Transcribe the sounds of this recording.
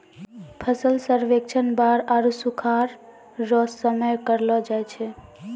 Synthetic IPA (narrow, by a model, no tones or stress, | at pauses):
pʰəsəlsəɾʋek̚t͡ʃʰənbaɾaɾusukʰaɾː | ɔsəməjkəɾlɔd͡ʒajt͡ʃʰe